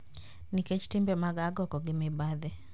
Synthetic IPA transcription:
nikɛt͡ʃi̥timbɛmaɡaɡɔkɔɡɪmɛbaðɛ

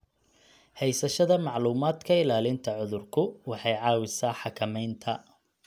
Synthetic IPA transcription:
hɛjsɐʃɐðɐmɑʕluːmaːd̪kʰɐɪlaːlɪnt̪ʰɐʕʊðʊrkʰʊwɑħɑjʕɑːwɪsaːħɑkʰɐmɛjnt̪ʰɐ

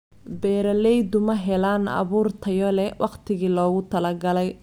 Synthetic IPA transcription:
bɛːɾɐlɛjd̪ʊmɐɦɛlaːnɑ̰βuːrt̪ʰɐjɔlɛwʔɑqt̪ʰɪɣiːlɔːɣʊt̪ʰɐlɐɡɐlɛj

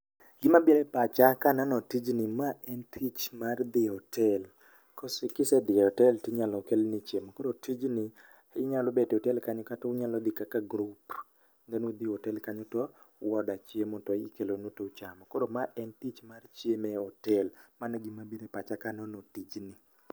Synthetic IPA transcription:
ɡɪmabiɾepat͡ʃakananɔtid͡ʒnimaʔɛntʰit͡ʃmard̪ɪhɔtʰɛl | kɔsikɪsɛd̪ɪɔtɛltiɲalɔkelnit͡ʃjemɔkɔdotʰid͡ʒni | ɪɲalobetotɛlkaɲɔkatɔɲalɔd̪ikakaɡɾup | ndɛnod̪iɔtɛlkaɲɔtɔ | wɔdat͡ʃjemɔtɔikelonotot͡ʃamɔkɔdomaʔɛntit͡ʃmart͡ʃjemeɔtɛlmanɔɡimabiɾepat͡ʃakanɔnɔtid͡ʒni

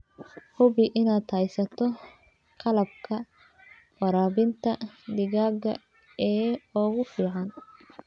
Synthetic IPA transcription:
hʊβɪʔɪnaːd̪hɐjsɐt̪ʰɔ | qʰɑlɐb̚kʰɐ | fɐɾaːβɪnt̪ʰɐd̪ɪɣaːɡɐ̰ | ɛːɔɣʊfiːʕɑn

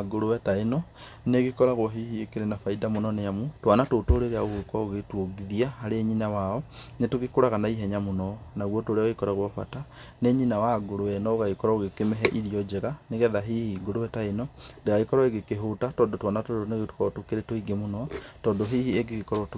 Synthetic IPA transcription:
aɡoɾowɛtaino | neɣikɔɾaɣwoɦihiekeɾenafaidamunɔnejamutwanatotoɾeɾeaɣoɣekwaoɣetwoɡiðiahaɾeːɲinawaonetuɣikoɾaɣanaiɦɛɲamunɔnaɣwotoɾeikoɾaɣwafa̰taneɲinawaɡoɾowɛnɔoɣaikoɾaoɣekemeɦɛʔiðiɔd͡ʒeɣaneɣɛðaɦihiɡoɾowɛtainondeɣaikɔɾaeɣekeɦotatɔːndotwanatodoneɣetu̥kaotukeɾetoiɡemunɔtɔːdoɦihieɡikikɔɾot

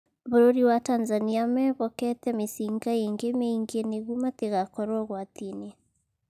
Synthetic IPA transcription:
βoɾoɾiwatanzaniamɛβɔkɛtɛmesiŋɡaeŋɡemeiŋɡeneɣumateɣakɔɾɔɣwatine

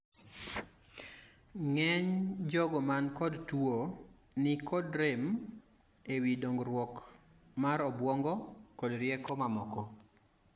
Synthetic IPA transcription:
ŋɛɲd͡ʒɔɡɔmankɔdtwo | nɪkɔdɾem | ewidoŋɡɾwɔk | maɾɔbwɔŋɡɔkɔdɾjɛkɔmamɔkɔ

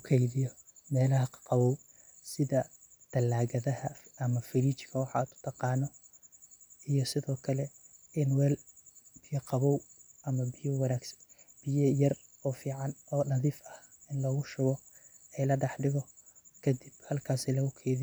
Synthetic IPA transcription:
ʊkʰɛjðɪjɔmɛːlɐɦɐqqɑβɔw | sɪðɐ | d̪̥ɐlaːɣɐðɐhɐɐmɐfɪliːt͡ʃkʰɐwɑħɑ̰t̪ʰʊ̥t̪ʰɑqɑːnɔ | ijɔsɪðɔːkʰɐlɛɪnwɛːlb̥ɪjɐqɑβɔwʔɐmɐbɪjɔwɑnaːɡsɐ̥nb̥ɪjɐjɐrɔːfiːʕɑnɔːnɐðiːfɐhɪnlɔːɣʊʃʊɣɔɛlɐɖɛħɖɪɣɔkʰɐd̪ibhɐlkʰaːsɛlɐɣʊkʰɛjðɪ

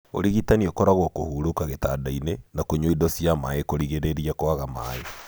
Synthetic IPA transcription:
o̰ɾiɣitaniokɔɾaɣwɔkohuːɾokaɣetaːdainenakoɲoidɔsjamaekoɾiɣeɾeɾiakoaɣama̰e

